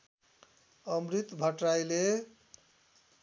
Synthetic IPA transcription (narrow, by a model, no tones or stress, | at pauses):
əmɾit̪bʱəʈɾajle